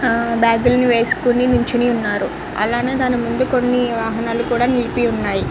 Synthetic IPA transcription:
baːɡ̪ulniʋe̞ːsu̥kuninuɲt͡ʃiniunːaːɾu | ɐ̰laːneːd̪aːnimund̪uko̞nːiʋaːɦɐnaːlukuːɽaːnilipiunːaːji

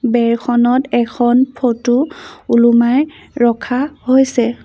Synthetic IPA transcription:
bɛɹkʰɔnɔtɛkʰɔnpʰotuulumaj | ɹɔkʰahojsɛ

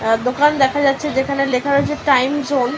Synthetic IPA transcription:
d̪okand̪ɛkʰad͡ʑatːɕʰed͡ʑekʰanelekʰaɦoet͡ɕʰeʈajmzon

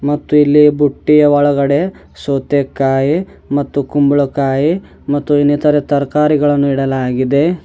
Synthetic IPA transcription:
mɐt̪ːuilːibuʈːijɐʋɐɭɐɡɐɽe̞ | soːt̪ekːaːji | mɐt̪ːukumbuɭɐkaːji | mɐt̪ːuinːit̪ɐɾet̪ɐɾkaːɾiɡɐɭɐnːuiɽɐlaːɡid̪e̞

